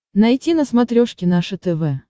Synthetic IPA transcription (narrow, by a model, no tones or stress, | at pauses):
nɐjtʲinəsmɐt̪ɾʲoʂkʲɪnaʂɨt̪ɛvɛ